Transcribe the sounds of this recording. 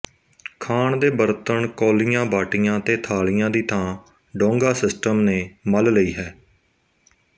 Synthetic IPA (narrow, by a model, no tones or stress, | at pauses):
kʰaːɳd̪eːbəɾt̪əɳkoːlɪjãːbaːʈɪjãːt̪eːt̪ʰaːɭɪjãːd̪iːt̪ʰãː | ɖɔ̃ːŋɡaːsɪsʈəmneːməlləiːɦɛː